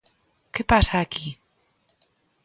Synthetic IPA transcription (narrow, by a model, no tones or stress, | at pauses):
kepasaːki